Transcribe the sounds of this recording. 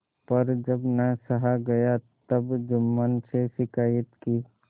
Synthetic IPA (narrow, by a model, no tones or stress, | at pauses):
pɐɾd͡ʒɐbnəsəɦaɡɐjat̪ɐbd͡ʒʊmːənseʃɪkaːjət̪ki